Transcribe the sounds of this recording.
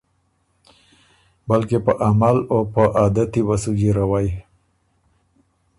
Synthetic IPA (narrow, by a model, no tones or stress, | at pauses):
balkepəʔamalopəʔɑd̪at̪iwasud͡ʒiɾawaji